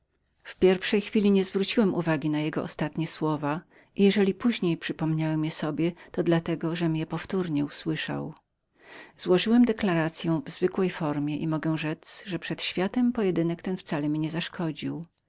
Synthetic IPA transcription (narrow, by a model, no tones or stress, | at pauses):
fpʲjɛɾfʂɛjxfʲilʲiɲɛzvɾut͡ɕiwɛmʔuvaɡʲinajɛɡɔ̰ʔɔst̪at̪ɲɛswɔva | ʔijɛʐɛlʲipuʑɲejpʂɘpɔmɲawɛmjɛsɔbʲjɛt̪ɔd̪lat̪ɛɡɔʐɛmjɛpɔft̪uɾɲɛuswɘʂa̰w | z̥wɔʐɘwɛmd̪ɛklaɾat̪sʲjɛw̃vzvɘkwɛjfɔɾmʲjɛʔimɔɡɛ̃ʐɛzʐɛpʂɛt̪ɕfʲjat̪ɛmpɔjɛd̪ɘnɛkt̪ɛnft̪salɛmʲiɲɛzaʂkʰɔd͡ʑiw